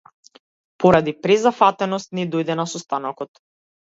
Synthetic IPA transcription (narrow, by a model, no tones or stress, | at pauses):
pɔɾad̪ipɾɛzafat̪ɛnɔst̪nɛd̪ɔjd̪ɛnasɔst̪anɔkɔt̪